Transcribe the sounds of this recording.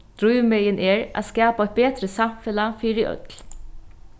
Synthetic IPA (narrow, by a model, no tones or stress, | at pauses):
d̪̥ɾʊjʋmɛjɪnʔɛːɹʔa̰ːskɑːpaɔt̪̚beːt̪ɾəsamfɛlafiːɾɪʔœ̰t̪l̥